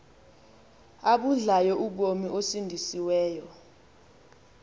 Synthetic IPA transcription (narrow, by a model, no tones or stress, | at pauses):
aɓuɮajɔʔuɓ̬omiʔosindʱisiwɛːjɔ